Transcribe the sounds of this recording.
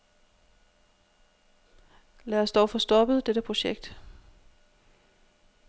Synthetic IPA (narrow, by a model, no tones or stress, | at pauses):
læːɐsd̥ɒʊfɒ̽sd̥ɒ̽b̥əð̩ˠd̥eɾ̥əpʰʁo̝ɕeɡ̥̚d̥